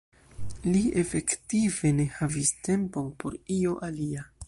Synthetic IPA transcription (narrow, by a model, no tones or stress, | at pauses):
lie̞fe̞ktive̞ne̞haviste̞mpo̞npo̞ɾio̞ʔalia